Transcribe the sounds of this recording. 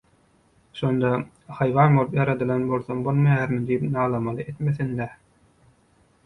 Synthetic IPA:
ʃo̞nd̪ɑ | hɑjʋɑːnbo̞lˠɯpjɑɾɑd̪ɯlˠɑnbo̞lˠθombolˠmɑjjæɾmid̪ijipnɑːlˠɑmɑlˠɯʔet̪meθind̪æ

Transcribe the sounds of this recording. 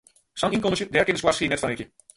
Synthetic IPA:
sɑninkoməsjədɛːrkɪnɪskwarsxiːənɛtfanɪkjə

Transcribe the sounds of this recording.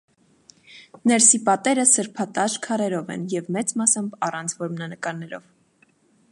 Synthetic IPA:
nɛɾsipɑt̪ɛɾəsəɾpʰɑt̪ɑʃkʰɑɾɛɾɔvɛ̰njɛvmɛt͡smɑsəmɑrɑnt͡sʰvɔɾmənɑnəkɑɾnɛɾɔ̰v

